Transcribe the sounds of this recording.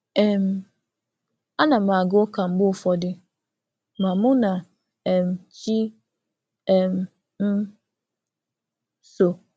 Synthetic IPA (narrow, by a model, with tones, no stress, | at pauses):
ɛ˨m̩˨ | a˦nã˨ma˨ɡʊ˦ka˨m̩˦bʊ˦˨fɔ˨dɪ˦ | mã˨mʊ̃˦na˨ | ɛ˨m˨t͡ʃi˦ | ɛ˨m˨ | m̩˦ | so˨